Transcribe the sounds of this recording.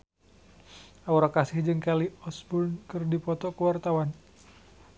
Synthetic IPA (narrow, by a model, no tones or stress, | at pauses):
auɾakasɪhd͡ʒɨŋkaliɔsbunkɨrdipɔt̪ɔkəwart̪awan